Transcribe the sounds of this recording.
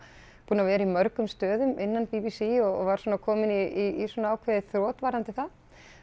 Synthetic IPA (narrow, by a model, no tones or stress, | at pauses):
puːnavɛːɾaimœɾkʏmst̪œːðʏmʔɪnːanpipisiɔɣɔvaɾ̥sɔːnakʰɔːmɪniiːswɔːnaaːwkʰvɛːðɪθɾɔːt̪vaːɾant̪ɪθa